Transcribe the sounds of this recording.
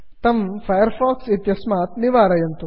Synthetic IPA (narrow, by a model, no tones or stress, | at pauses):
t̪ɐmfʰɐjɐɾfaːksit̪jɐsmaːt̪niʋaːɾɐjɐnt̪u